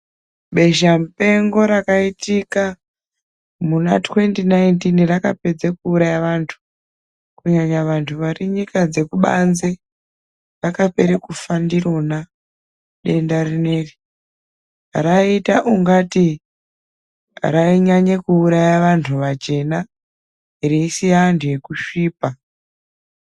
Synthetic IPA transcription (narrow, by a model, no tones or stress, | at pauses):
ɓe̞ʒamupe̞ŋɡo̞ɾakaitika | muna̰twe̞ntinajntinraka̰pe̞d͡zekuːɾajaʋantʰu̥ | kuɲaɲaʋantʰuʋariɲikad͡ze̞kuɓa̰nze | rakape̞ɾekufandiro̞na | ɗe̞ndarineri | raitaʔuŋɡati | raiɲaɲekuːɾajaʋantʰuʋat͡ʃe̞na | iɾeisijaːntʰuje̞kuʃiːpa